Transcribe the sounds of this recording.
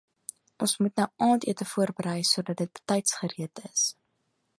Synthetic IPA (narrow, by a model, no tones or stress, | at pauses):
ʔɔnsmutnɐɑːntiətəfuərbəɾəjsuədɐt̚dət̚b̥ə̥tɛjtsχəɾiətəs